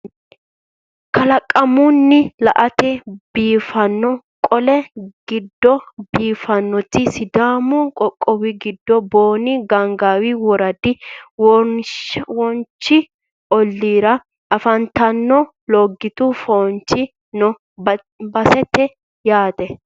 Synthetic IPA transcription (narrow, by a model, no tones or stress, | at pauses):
kɐlɐkʼːɐmʊnːɪlɐʔɐt̪ɛb̥iːfɐnːɔ | kʼɔlɛɡ̥ɪd̪ːɔbiːfɐnːɔt̪ːɪsɪd̪aːmʊkʼɔkʼːɔwɪɡɪd̪ːɔboːnɪɡɐŋɡaːwɪwɔɾɐd̪ɪw | wɔnt͡ʃːɪ | ɔlːiːɾɐ | ʔɐfɐnt̪ɐnːɔ | lɔɡːɪt̪ʊfɔnt͡ʃːɪ | nɔ | bɐsɛt̪ːɛ | jaːt̪ɛ